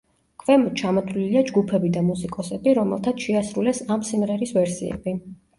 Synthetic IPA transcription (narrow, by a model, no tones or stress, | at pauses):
kʰvɛmɔt͡ʃʰamɔt̪ʰliliad͡ʒɡupʰɛbid̪amusikʼɔsɛbiɾɔmɛ̰lˠt̪ʰat̪ʃɛasɾulɛsamsimʁɛɾisvɛɾsḭɛ̰bi